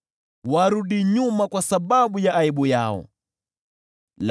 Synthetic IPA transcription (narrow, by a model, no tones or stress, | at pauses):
waɾuɗiɲumakwasaɓaɓujaːiɓujaɔ̰ | l